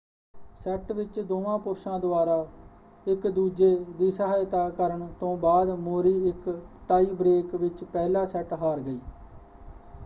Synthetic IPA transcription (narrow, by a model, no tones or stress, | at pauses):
sɛʈʋɪt͡ʃd̪oːʋãːpʊɾsãːd̪ʊaːɾaː | ɪkd̪uːd͡ʒeːd̪iːsəɦaːjt̪aːkəɾəɳt̪õːbaːd̪moːɾiːɪkʈaːiːbɾeːkʋɪt͡ʃpɛːlãːsɛʈɦaːɾɡəiː